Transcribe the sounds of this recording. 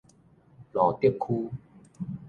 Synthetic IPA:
lɔ˨˩t̪i˥˩p̚kʰu˦

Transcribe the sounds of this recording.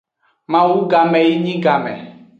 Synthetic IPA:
mã˦wu˦ɡa˨mɛ̃˨ji˦ɲĩ˦ɡa˨mɛ̰̃˨

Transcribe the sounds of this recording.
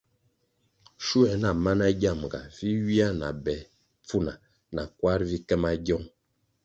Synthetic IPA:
ʃu˦ɛ˨na˨ma˦na˦ɡja˦˨m˨ɡa̰˨vi˦ɥi˦a˦na̰˨bɛ˨ | p͡fu˦˨na˨ | na˨kwa˦ɾvi˦kɛ˦ma˦ɡɔ˦ŋ

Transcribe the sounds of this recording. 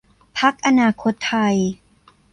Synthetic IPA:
pʰa˦˥k̚ʔa˧naː˧kʰo˦˥t̪ʰːa˧j

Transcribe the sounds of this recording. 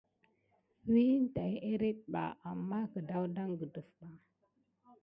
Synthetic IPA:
wi˦n˦ta˨je˦ɾe˦t̚ɓa̰˨ʔa˨mːa˦kə˨da˦wda˦ŋɡə˨də˨fɓa˨

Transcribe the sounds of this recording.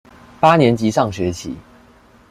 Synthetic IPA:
pa˥njɛ˧˥nt͡ɕi˧˥sɑ˥˩ŋɕɥɛ˧˥t͡ɕʰḭ˨˩˦

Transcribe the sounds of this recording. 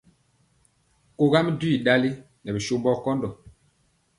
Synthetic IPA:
ko˦ɡa˦mi˦du˦i˨ɗa˦li˦ | nɛ˨bi˨ʃo˦mbɔ˦kɔ˦ndɔ˨

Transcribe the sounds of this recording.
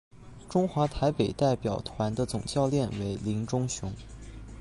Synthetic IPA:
ʈ͡ʂʊ˥ŋxwa˧˥t̪ʰa˧˥ɪpe˨˩ɪt̪a˥˩ɪpjɑ˨˩ʊt̪ʰwa˧˥nd̪ə˧t͡sʊ˨˩ŋt͡ɕjɑ˥˧ʊljɛ˥˩nwe˧˥ɪli˧˥ŋʈ͡ʂʊ˥ŋɕjʊ˧˥ŋ

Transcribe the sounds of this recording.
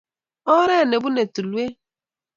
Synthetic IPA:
ɔ˦ɾe˦˨ne˨bu˦ne˨tu˨lu˨˦e˦

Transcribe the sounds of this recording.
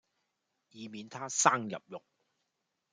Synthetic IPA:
jiː˨˧miː˨˧nt̪ʰaː˥saː˥ŋjɐ̰˨p̚jʊ˨k̚

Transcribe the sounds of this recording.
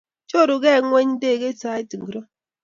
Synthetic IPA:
t͡ʃo˦ɾʊ˨ɡe˦˨ŋʷe˦ɲi˦de˦˨ɡe˦ta˨˦i˦ti˨ŋ̩˨ɡɾo˦

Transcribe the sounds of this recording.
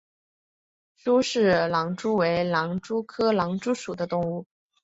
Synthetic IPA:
ʈ͡ʂu˥ʂɻ̩˥˩lɑ˧˥ŋʈ͡ʂu˥we˧˥ɪlɑ˧˥ŋʈ͡ʂu˥kʰɤ˥lɑ˧˥ŋʈ͡ʂu˥ʂu˨˩d̪ə˦t̪ʊ˥˧ŋu˥˩

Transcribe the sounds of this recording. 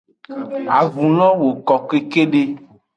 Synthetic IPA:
a˨vũ˨lɔ̃˦wo˨kɔ˨ke˦ke˦ɖe˦

